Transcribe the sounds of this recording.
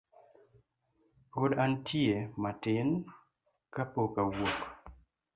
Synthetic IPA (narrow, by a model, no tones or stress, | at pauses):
podantʰjematɪn | kapokawok